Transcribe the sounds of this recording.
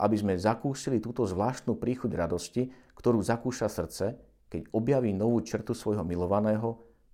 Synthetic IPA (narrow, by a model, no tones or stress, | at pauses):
ʔa̰bizmɛzakuːsilit̪uːt̪ɔzʋlaːʃt̪nuːpɾiːxuɟɾad̪ɔscikt̪ɔɾuːzakuːʃasr̩t͡sɛ | kɛɟɔbjaʋiːnɔʋuːt͡ʃr̩t̪usʋɔjɦɔmilɔʋanɛːɦɔ